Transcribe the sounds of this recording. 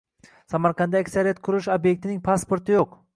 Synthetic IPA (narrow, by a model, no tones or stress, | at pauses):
samaɾqʰɑnd̪aːkʲsaɾijat̪̚kʰʊɾɪʃobje̞k̚ʲt̪ɪnɪŋpʰaspoɾt̪ʰɪjoq